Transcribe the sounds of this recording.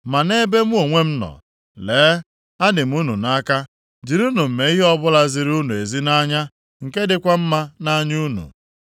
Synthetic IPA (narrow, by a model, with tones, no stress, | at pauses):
ma˨ne˦be˦m̩˦o˨ŋʷe˦m̩˦nɔ̰˨ | leː˨˦ | a˦dɪ˨m̩˦u˦nu˨na˦ka˦ | d͡ʒi˨ɾu˦nu˨m̩˨me˨i˦ɦe˦ɔ˦bʊ˦la˦zi˨ɾu˦nu˨e˨zi˦na˦ɲa˦ | ŋ̩˨ke˦dɪ˨kʷa˦m̩˦ma˦na˦ɲu˦nṵ˨